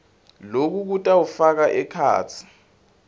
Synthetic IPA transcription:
lok̬uk̬utʼawufak̬aʔɛkʰa̰ːt͡sʰi̥

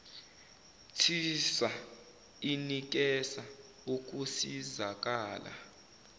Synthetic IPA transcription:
tʰisa | inik̬ɛsa | uk̬ʼusizak̬ʼaːla̰

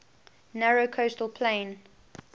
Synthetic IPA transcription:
nɛɹokʰoʊstəlˠpʰlẽɪn

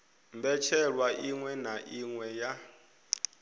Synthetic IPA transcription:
mbɛt͡ʃʰɛɺwaʔiŋwɛnaʔiŋwɛja

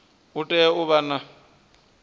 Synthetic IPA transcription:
ʊtʼɛʊβana

